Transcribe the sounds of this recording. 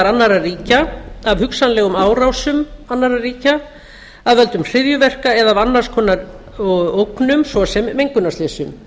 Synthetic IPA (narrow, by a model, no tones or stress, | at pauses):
ɾanːaɾariːcaavhʏksanlɛːɣʏmaːwɾawsʏmanːaɾariːca | aðvœl̪t̪ʏmr̥ɪðjʏvɛr̥kaɛðavanːar̥skʰɔːnːaɾ | owknʏmsvɔsɛmːejŋkʏnast̪ɛːsʏm